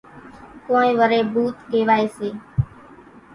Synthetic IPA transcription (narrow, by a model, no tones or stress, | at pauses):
koːẽːʋəɾeːbʱuːt̪ɦeːʋaːeːseː